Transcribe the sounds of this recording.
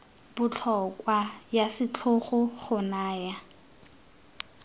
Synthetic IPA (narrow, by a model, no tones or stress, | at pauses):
b̥ʊt͡ɬʰɔkwajasɪt͡ɬʰʊχʊχʊnaːja